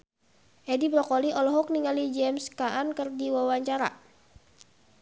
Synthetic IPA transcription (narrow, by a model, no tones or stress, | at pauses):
ʔɛdibɾɔkɔliʔɔlɔɦɔk̚niŋalid͡ʒɛmskaʔankərdiwawaɲt͡ʃaɾa̰